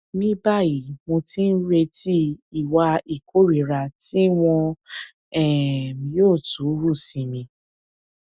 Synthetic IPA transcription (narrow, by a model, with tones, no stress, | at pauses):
mĩ˦ba˦˨ji˨˦mõ˧tĩ˦n̩˦ɾe˧tʰi˦i˦˨wa˧i˨kʰo˦ɾe˨ɾa˨ti˦w̃ɔ̃˧ | ɛ˦˨mĩ˧˦joː˦˨tũ˨˦ɾu˦˨sĩ˧mĩ˧